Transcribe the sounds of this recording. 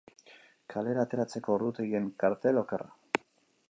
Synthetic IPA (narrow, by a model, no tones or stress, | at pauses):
kʰale̞ɾaːt̪e̞ɾat͡se̞ko̞ɾðut̪eie̞ŋkaɾt̪e̞lo̞ke̞ra